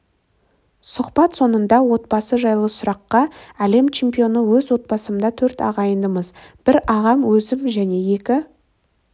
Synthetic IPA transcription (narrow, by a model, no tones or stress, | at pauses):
sʊqbɑt̪so̞nənd̪ɑwo̞t̪̚bɑsəʒɑjlˠəsʊɾɑqːɑæle̞mt͡ʃʰe̞mpijo̞nəwɵzwo̞t̪̚bɑsəməd̪ɑt̪ʰɵɾt̪ɑ̰ʁɑjənd̪əməzb̥ɪɾɑʁɑmwɵzɪmʒæne̞je̞kʲɪ